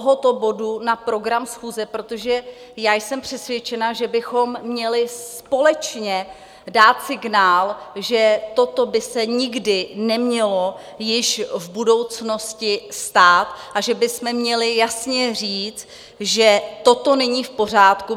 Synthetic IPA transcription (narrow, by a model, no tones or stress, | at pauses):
oɦo̞t̪o̞bo̞dunapɾo̞ɡɾamsxuːzɛpɾo̞t̪o̞ʒɛ | jaːjsɛmpr̝̥ɛsvjɛt͡ʃɛnaʒɛbɪxo̞mːɲɛlɪspo̞lɛt͡ʃɲɛ | daːt̪sɪɡnaːlʒɛt̪o̞t̪obɪsɛɲɪɡdɪnɛmɲɛlo̞ | jɪʃvbudo̞wt͡sno̞scɪst̪aːt̪ʔaʒɛbɪsmɛmɲɛlɪjasɲɛriːt͡s | ʒɛt̪o̞t̪o̞nɛɲiːfpo̞r̝aːt̪ku